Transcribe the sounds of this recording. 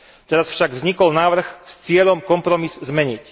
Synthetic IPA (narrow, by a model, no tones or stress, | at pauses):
t̪ɛɾasfʃaɡvzɲikɔlnaːʋr̩xst͡sɪɛʎɔmkɔmpɾɔmizzmɛɲic